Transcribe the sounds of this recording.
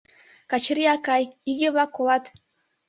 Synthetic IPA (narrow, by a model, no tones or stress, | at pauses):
kɑt͡ʃɾiɑkɑjiɣevlˠɑkːolˠɑt̪